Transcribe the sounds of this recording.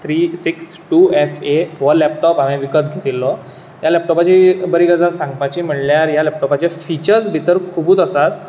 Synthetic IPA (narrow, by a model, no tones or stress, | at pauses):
t̪ʰɾiːsiksʈuɛfeʋəlɛp̚ʈɔpɦamẽʋikət̪ɡʱet̪ilːɔ | jalɛp̚ʈɔpat͡ɕibəɾiːɡəd͡zansãŋɡpat͡ɕiːm̤əɳljaɾjalɛp̚ʈɔpat͡ɕefit͡ɕəɾsbʱit̪əɾkʰubuːt̪əsat̪